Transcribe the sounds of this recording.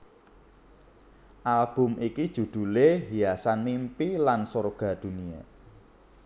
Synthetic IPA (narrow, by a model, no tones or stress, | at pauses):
ʔalb̥ʊ̤mikid̥ʒ̥ṳd̪̥uleɦijasanmimpilansorɡ̥ä̤d̪̥ṳnia̰